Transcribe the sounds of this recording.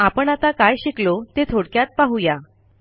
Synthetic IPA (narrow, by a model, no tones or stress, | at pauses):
apəɳat̪akajɕiklot̪et̪ʰoɽkjat̪̚paɦuja